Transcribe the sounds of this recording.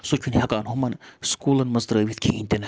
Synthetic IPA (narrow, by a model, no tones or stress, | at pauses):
sot͡ʃʰʲunhɐkaːnɦumɐnskuːlɐnmɐzd̪ɾəʋit̪ʲkʲʰiinʲt̪ʲen